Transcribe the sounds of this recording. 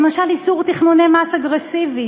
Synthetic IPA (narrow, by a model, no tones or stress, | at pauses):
emaʃalisuʁt̪iχnunemasaɡʁesivi